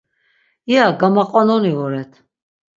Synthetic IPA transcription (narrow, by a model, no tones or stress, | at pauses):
jaɡamaqʼɔnɔnivɔɾɛt̪ʰ